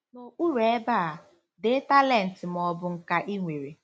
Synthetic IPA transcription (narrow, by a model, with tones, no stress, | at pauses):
no˨ʔu˦ɾe˦ba˦˨a˨ | de˦ta˦lɛ˦˨n̩˨tɪ˨m˨ɔ˨bʊ˨ŋ̩˨ka˨ʔi˦ŋʷe˨ɾe˨